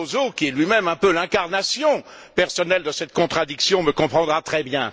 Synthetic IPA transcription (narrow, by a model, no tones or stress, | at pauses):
ozokʲiɛlɥimɛmɛ̃pølɛ̃kaʁnasjɔ̃ | pɛʁsɔnɛld̪əsɛt̪̚kɔ̃t̪χad̪iksjɔ̃məkɔ̃pχɑ̃d̪ʁat̪χɛbjɛ̰̃